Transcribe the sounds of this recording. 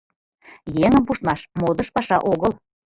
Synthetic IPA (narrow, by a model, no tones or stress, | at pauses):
jeŋə̆mpuʃt̪̚mɑʃmod̪ɤ̆ʃpɑʃɑʔoɣəl